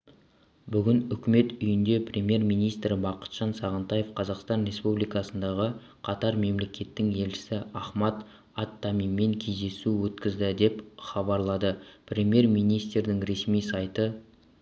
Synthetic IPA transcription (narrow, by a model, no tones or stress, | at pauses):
bʏɡʲɪnʏkʲɪme̞t̪ʏjɪnd̪e̞pʰrʲʔe̞mje̞rmijnijst̪ɾɪbɑqə̥t̪ʒ̥ɑnsɑʁənt̪ɑje̞fqʰɑzɑqst̪ɑnɾe̞spublijkɑsənd̪ɑʁə | qʰɑt̪ɑɾme̞mle̞kʲʰe̞t̪ːɪŋe̞lʃɪ̥sɪɑχmɑt̪ | ɑt̪ːɑmimːe̞ŋkʲʰe̞jzd̪e̞suwɵt̪kʲɪzd̪ɪd̪e̞pχɑbɑɾlˠɑd̪əprʲe̞mje̞rmijnijst̪ɾd̪ɪŋɾe̞smijsɑjt̪ə